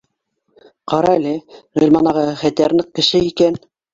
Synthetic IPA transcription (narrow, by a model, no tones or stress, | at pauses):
qɑɾɑælɘʁĭlʲmɑnɑʁɑχæt̪æɾnɘq̚kːɘ̆ʃɘikæn